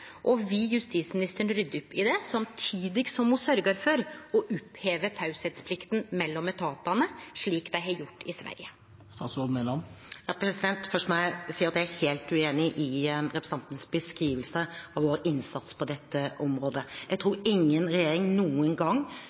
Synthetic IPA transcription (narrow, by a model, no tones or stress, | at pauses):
ʔɔʋɪjʉst̪iːt̪smɪnɪst̪əɾəɳɾʏd̪ːʉpːɪd̪ɛsɑmt̪ʰiːd̪ɪɡsɔmhʊsœɾɡəɾfɔɾɔʔʊpheːʋət̪ʰɑʉsɛt̪spʰlɪkt̪nmɛlːɔmɛt̪ʰɑːt̪ɑnəʂɭiːkd̪æɪɦɑɾjʊʈːɪsʋæ̰ɾjə | st̪ɑːt̪sɔd̪nelɑnjɑːpʰɾɛsɪd̪ɛnt̪fœʂt̪ɔmæɪsiːəɾɑt̪jæɪæɾheːlt̪ʉeːnɪʔɪnɾɛpɾɛ̥sɑnt̪nsbəskɾiːʋəlsəɑʋoːɾɪnsɑt̪spʰɔd̪ɛt̪ːəʔɔmɾoːd̪əjæɪɡ̚t̪ʰɾuːɾɪŋːənɾɛjeːɾɪŋnuːənɡɑŋː